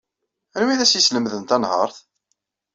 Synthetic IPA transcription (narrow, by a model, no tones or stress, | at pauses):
ænwiðæsjisləmðənt̪ænhə̰ɾˤθ